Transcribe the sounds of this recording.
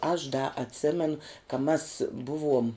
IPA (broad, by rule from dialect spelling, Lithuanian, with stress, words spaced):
ɐʃ dɐ ɐtʲˈsʲeːmʲɛnʊ kɐ mɐs ˈbʊˌʋuɔm